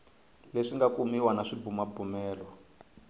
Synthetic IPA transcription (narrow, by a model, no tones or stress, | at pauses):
leʂiŋɡakumiwanaʂibumabumɛːlwɔ